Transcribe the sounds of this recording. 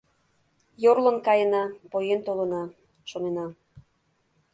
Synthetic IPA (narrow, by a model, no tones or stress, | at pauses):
jorlə̆nkɑjənɑpojent̪olənɑ | ʃonenɑ